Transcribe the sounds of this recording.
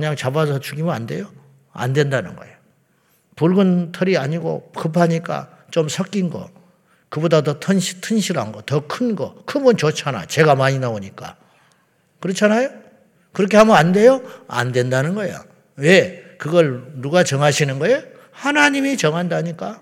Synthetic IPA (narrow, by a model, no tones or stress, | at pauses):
ɯɲaŋt͡ɕabasʰʌt͡ɕuɡimjɯna̰nde̞̰jo | a̰ndwe̞ndanɯnɡʌ̰eo | puɭɡɯntʰʌɾiaɲiɡo̰kɯp̬ʰaɲik͈a̰ | t͡ɕomsʰʌk͈̚inɡʌ̰ | kɯbodadotʰʌnɕitʰɯnɕʰiɾa̰nɡʌtʌkʰɯnɡʌkʰɯbunt͡ɕot͡ɕʰana̰t͡ɕe̞ɡamaɲinaoɲik͈a̰ | kɯɾʌt͡ɕʰanajo | kɯɾʌkʰe̞hamʌnande̞joa̰ndwe̞ndanɯnɡʌḛjo̰ | wekɯɡʌɭnuɡat͡ɕʌŋɦaɕʰinɯnɡʌe | hanaɲimit͡ɕʌŋɦandaɲik͈a